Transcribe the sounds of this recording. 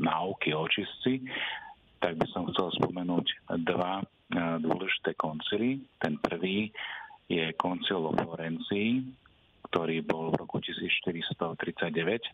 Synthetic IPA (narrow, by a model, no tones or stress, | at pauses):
naʊkiɔt͡ʃist͡si | t̪aɡ̚bisɔmxt͡sɛlspɔmɛnuːɟd̪ʋa | d̪ʊɔ̰lɛʒi̥t̪ɛːkɔnt͡silit̪ɛnpr̩ʋiːjɛkɔnt͡silɔ̰flɔɾɛnt͡siː | kt̪ɔɾiːbɔlvɾɔkucisiːt͡sʃt̪iɾist̪ɔt̪ɾit͡saɟ̚ɛʋɛc